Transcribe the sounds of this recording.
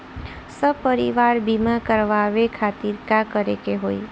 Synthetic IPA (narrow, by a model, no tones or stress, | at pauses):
səpəɾiʋaɾbimakəɾʋaʋekʰat̪iɾkakəɾekeɦoi